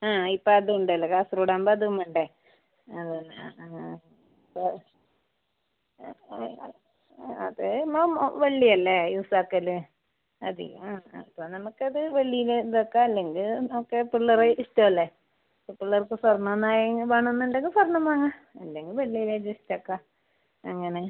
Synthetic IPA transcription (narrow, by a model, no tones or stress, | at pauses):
aːipːoɐðɨuɳɖɐlːɐkasruːɽaːmbɐɐðiɣɐmuɳɖe | ɐðenː | po | ɐðemomʋɐɭːiɐlːejuːsaːkːɐlɨ | ɐd̪ḭɣɐmɐpːonɐmukːɨɐðɨʋɐɭːijiled̪okːaɐlːe̞ŋɡilnɐmukːɨpiɭːɐreistɐmɐlːe | pːopːiɭːɐrkːɨswɐrɳɐnːaːjŋʋaːɳonːuɳɖeŋɡilsɐrɳɐmaːŋaɐlːeŋɡilʋɐɭːijiled͡ʑestɐkːa | ɐŋːɐne